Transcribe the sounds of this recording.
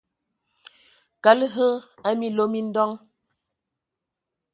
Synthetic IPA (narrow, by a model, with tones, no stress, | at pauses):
ka˨˦lɦə˦a˦mi˦lo˦mi˦n̩˦dɔ˦ŋ